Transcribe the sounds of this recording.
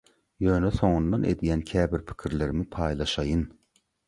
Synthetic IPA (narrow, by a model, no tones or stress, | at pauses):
jø̞ːneso̞ŋund̪ɑnʔe̞̰d̪ijæncʲʰæːbiɾpʰi̥cʲʰiɾleɾimipʰɑːjlˠɑʃɑjɯn